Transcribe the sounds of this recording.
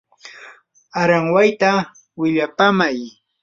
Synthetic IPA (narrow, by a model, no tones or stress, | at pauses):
aɾaŋwajt̪a | wɪʎapamaj